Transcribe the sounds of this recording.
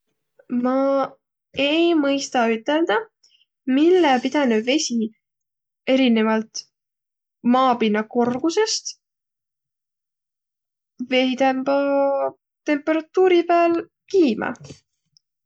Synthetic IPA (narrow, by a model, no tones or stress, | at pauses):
mɑ | ejmɤjst̪ɑyt̪ːˑe̞ld̪̥ɑ | milːepid̪̥ɑneve̞sʲi | e̞ɾine̞vɑlt̪ | mɑːpinːɑko̞rɡ̥use̞st̪ | ve̞jt̪æmbɑ | t̪e̞mpːˑe̞ɾɑt̪ːuːɾipæl | kiːmɑ̰